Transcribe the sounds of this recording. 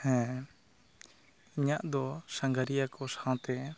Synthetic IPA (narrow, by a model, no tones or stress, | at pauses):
hɛ̃ | iɲaʔd̪ɔsaŋɡaɾijakɔsãw̃t̪ɛ